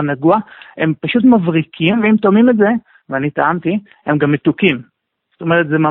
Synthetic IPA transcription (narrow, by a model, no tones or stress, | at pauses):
naɡuae̞mpaʃut̪̬mavʁikʰimveimt̪omimetze̞ | veanit̪aʔamt̪i | emɡamːet̪ukim | z̥ot̪o̞me̞ʁet̪zema